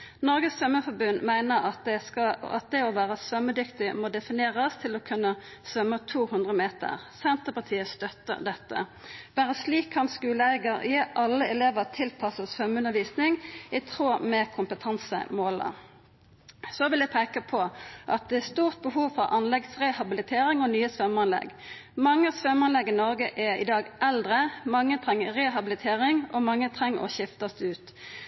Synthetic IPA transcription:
nɔʁɡəsfœməfɔbʉnmæɪnəɑt̪̚ɛsɑɑ̰t̪̚d̪ɛɔʋæːʁəsʋœmːəd̪ʏkt̪ɪmɔd̪ɛfɪneːʁəst̪ʰɪlɔkʰʉnːəsʋœmːət̪ʰuːhʉnd̪ʁəmeːt̪ə̰ʁsɛnt̪əpɑt̪ʰiːəst̪œt̪ːə̰d̪ɛt̪ːə̰b̥æːɾəsliːkhɑnskʉːlæɪɡəʁeʔɑlːəɛleːʋəʁt̪ʰɪlpʰɑsəsfœməʉnːəʋiːsnɪŋɪt̪ʰʁoːmɛkʰʊmpət̪ʰɑnsə̰moːlə̰ | sɔʋɪljæɪpʰeːkəpʰɔʔɑt̪̚d̪ɛæst̪uːʁt̪̚bəhuːʋfɔʁʔɑnlɛɡsʁɛhɑbɪlɪt̪ʰeːʁɪŋɔnyːəsfœmɑnlɛ̰ɡ | mɑŋːəsʋœmɑnlɛɡːɪnɔʁɡəʔɛɪ̰d̪ɑːɡʔɛld̪ʁəmɑŋːət̪ʰʁɛŋːəʁɛɦɑbɪlɪt̪ʰeːʁɪŋɔmɑŋːət̪ʰʁɛŋːɔ̰ʃɪft̪ɑsd̪ɛʉːt̪

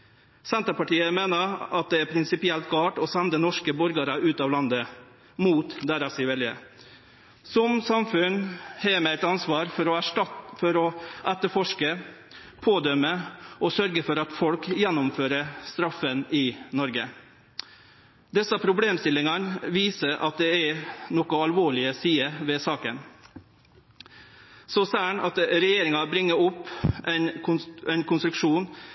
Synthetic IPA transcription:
sɛnt̪əpɑʈiːəmeːnəɾɑt̪̚d̪ɛæɾpʰɾɪnsɪpɪɛlt̪̚ɡɑːʈɔsɛnd̪ənɔʂkəbɔɾɡɑɾəʔʉːt̪ɑːʋlɑnd̪ə | muːt̪d̪æɾɑsɪʋɛljə̰ | sɔmsɑmfʉnhɛːmɛæɪt̪ɑnsʋɑːɾfɔɾɔæfɔɾɔʔɛt̪əɾfɔʂkə | pʰoːd̪œməʔɔsœɾɡəfɔɾɑt̪fɔlkjɛnːʊmføːɾəst̪ɾɑfːənɪnɔɾɡə | d̪ɛsɑpʰɾʊbleːmst̪ɪlːɪŋɑnʋiːsəɾʔɑ̰t̪̚d̪ɛænɔkʊɑlʋoːɭɪəsiːəʋɛːsɑːkən | sɔsæːɳɑt̪ɾɛjeːɾɪŋɑbɾɪŋːəɾʊpːʔɛnɛnkʰʊnst̪ɾʉkʂuːn

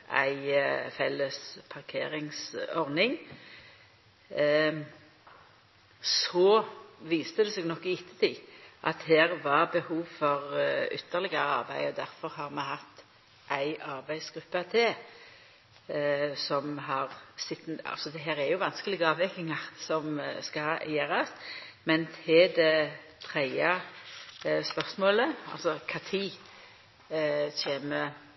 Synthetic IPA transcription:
ʔæ̰ɪfɛlːəspʰɑʁkʰḛːɾɪŋsɔʁnɪŋ | sɔʋiːst̪əd̪ɛseːɡnɔkːɪɪt̪ʰːət̪ʰiːʔɑ̰t̪heːʁʋɑʁbəhuːʋfɔʁʏt̪ːəʁlɪɡəɾəɑ̰ʁbæɪɔd̪æɾfɔʁhɑɾmɛhɑt̪ː | ʔæɪʔɑʁbæɪsɡ̥ɾʉpːəɑt̪ʰɪ | sɔmɦɑʁsɪt̪ːɑ̰lsɔd̪ɛɦæːɾæɾjʊʋɑnskəlɪɡəɑːʋʋɛkɪŋɑʁsɔmskɑɑjeːɾɑs | mɛnt̪ʰɪd̪ɛ | t̪ʰɾæɪɑ | spœʁsmoːləɑ̰lsɔkʰɑt̪ʰiː | çeːmə

